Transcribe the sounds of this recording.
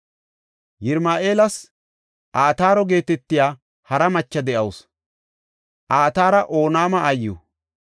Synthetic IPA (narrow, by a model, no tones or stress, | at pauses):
jɪɾmaːʔe̞ːlɐs | ʔaːt̪aːɾɔɡe̞ːt̪ɛt̪ːɪjaː | hɐɾɐmɐt͡ʃːɐd̪ɛʔɐws | ʔaːt̪aːɾɐʔo̞ːnaːmɐːjːṵ